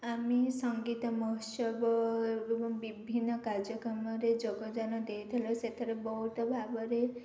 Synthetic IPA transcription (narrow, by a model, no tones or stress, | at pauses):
amisɔŋɡit̪ɔmɔɦɔsɔbɔebɔŋbibʱinːɔkaɾd͡ʒjɔkɾɔmɔɾed͡ʒɔɡɔd͡ʒanɔd̪ejt̪ʰilɔset̪ʰeɾebɔɦut̪ɔbʱabɔɾe